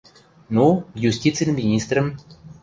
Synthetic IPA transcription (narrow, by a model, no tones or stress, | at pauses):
nujusʲtʲit̪t͡sɨjnmʲinʲist̪rə̆m